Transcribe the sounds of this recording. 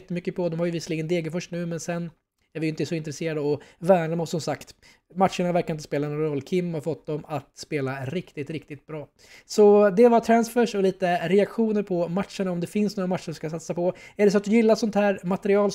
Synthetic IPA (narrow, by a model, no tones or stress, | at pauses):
t̪ːəmʏkːəpʰɔd̪ɔmhaɾjʏvɪsliːɡənd̪eːɡəfœʂnʉ̟ːmɛnsɛnː | æɾvɪjʏɪnt̪əsɔɪnt̪ɾɛseːɾad̪əɔvæːɳamɔssɔmsakt̪ | mat̪ʂəɳavæɾkaɾɪnt̪ə̥speːlanɔɾɔlːkʰɪmːhafɔt̪̚ːd̪ɔmat̪speːlaɾɪkt̪ɪt̪ɾɪkt̪ɪt̪̚bɾɑː | sɔd̪ɛvat̪ʰɾansfœʂɔliːt̪əɾɛakɧuːnəɾpʰɔmat̪ʂəɳaɔmd̪ɛfɪnsnoːɾamat̪ːʂəɾɵskasat̪sapʰɔæɖɛs̬ɔat̪̚d̪ɵjɪlːasɔnt̪hæːɾmat̪ɛɾɪɑːl